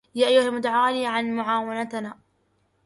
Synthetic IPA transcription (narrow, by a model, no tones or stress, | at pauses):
jaːʔajːʊhalmʊd̪ʕaːliːʕanmʊʕaːwanat̪naː